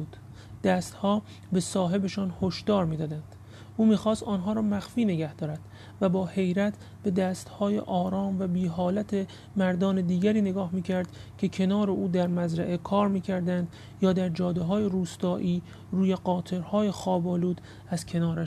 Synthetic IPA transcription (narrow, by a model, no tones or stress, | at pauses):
uːd̪̥ | d̪̥æːst̪hɒː | be̞sɒːɦe̞be̞ʃɒːnhoʃd̪̥ɒːɾmiːd̪ɒːd̪ænd̪̥ | uːmiːxɒːst̪ɒːnɦɒːɾɒːmæxfiːne̞ɡæhd̪ɒːɾæd̪̥ | væbɒːhe̞jɾæt̪ʰ | b̥e̞d̪æːst̪hɒːjḛʔɒːɾɒːmvæbiːɦɒːlæt̪ʰe | mæɾd̪ɒːne̞d̪iːɡæɾiːne̞ɡɒːhmiːcʰæɾd̪̥cʰe̞cʰe̞nɒːɾe̞ʔuːd̪æɾmæzɾæʔe̞kʰɒːɾmiːcʰæɾd̪ænd̪ | jɒːd̪æɾd͡ʒɒːd̪eɦɒːjeɾuːst̪ɒːʔiː | ɾuːje̞ɢɒːt̪ʰe̞ɾhɒːje̞xɒːbɒːluːd̪ | æz̥cʰe̞nɒːɾæʃ